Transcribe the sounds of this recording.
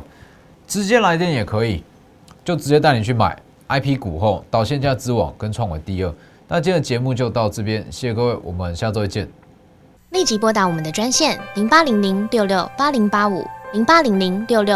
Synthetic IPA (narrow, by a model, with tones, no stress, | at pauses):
ʈ͡ʂɻ̩˧˦t͡ɕjɛ˥la˧˥ɪt̪̬jɛ˥˨njɛ˨˩kʰɤ˧˦i˨˩ | t͡ɕjo˥˩ʊʈ͡ʂɻ̩˧˦t͡ɕjɛ˥t̪̬a˥˩ɪni˨˩t͡ɕʰy˥˩ma̰˨˩˦ɪ | a˥ɪpʰi˦ku˨˩xo˥˩ʊt̪ɑ˨˩ʊɕjɛ˥˧nt͡ɕja˥˧˩t͡sɹ̩˥wɑ̰˨˩ŋkə˦˥nt͡sʰwɑ˥˧ŋwḛ˨˩t̪i˥˧˦ə˥˩ | na˥˧t͡ɕjɛ˥˩nd̪ə˨˩t͡ɕjɛ˨˧˥mu˥˧t͡ɕjo˥˧ʊt̪ɑ˥˧ʊʈ͡ʂɤ˥˩pjɛ˦nɕɛ˥˩˧kɤ˥˧we˥˩ɪwʔɔ̰˨˩məə˨nɕja˥˧t͡sɔ˥˧i˥˩t͡ɕjɛ˥˨n | li˥˩t͡ɕi˧˥pwɔ˥t̪̬a˧˥wɔ˨˩mə˨˦nd̪ə˧ʈ͡ʂwa˥nɕjɛ˥˨nli˧˥ŋpa˥li˧˥ŋli˧˥ŋljo˥˧ʊljo˥˩ʊpa˥li˧˥ŋpa˥ṵ˨˩˦li˧˥ŋpa˥li˧˥ŋli˧˥ŋljo˥˧ʊljo˥˨